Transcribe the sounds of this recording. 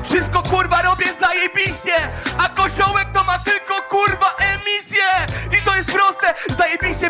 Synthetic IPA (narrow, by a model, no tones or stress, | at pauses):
fʂɘst̪̚kɔkuɾvaɾɔbʲjɛzajɛbʲiɕɛakɔɕɔwɛk̚t̪ɔmat̪ɘlkɔkuɾvaʔɛmʲisʲjɛit̪ɔjɛst̪̚pɾɔst̪ɛzajɛbʲiɕt͡ɕɛ